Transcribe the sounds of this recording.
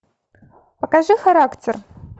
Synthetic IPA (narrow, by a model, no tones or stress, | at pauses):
pɐkaʒɨxɐɾaktʰɪr